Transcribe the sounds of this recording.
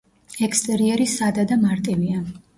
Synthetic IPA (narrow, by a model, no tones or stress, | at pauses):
ɛkʰst̪ʼɛɾiɛɾisad̪ad̪amaɾt̪ʼivia